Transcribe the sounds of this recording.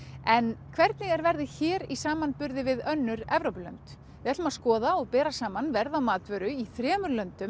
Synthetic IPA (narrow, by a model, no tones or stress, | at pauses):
ɛnkʰv̥ɛɾt̪̚nɪɣɛɾvɛɾðɪçɛːɾisaːmanpʏɾðɪvɪðœnːʏɾɛvɾowpʏlœ̰nt̪ | ɪɛt̪ʏmaskɔːðaɔɣpɛːɾasaːmanvɛɾðawmaːt̪vœɾʏiθɾɛːmʏɾlœnt̪ʏm